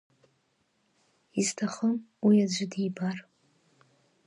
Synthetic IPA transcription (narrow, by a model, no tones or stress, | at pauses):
iztʰaχəmwiad͡ʒʷɪdibar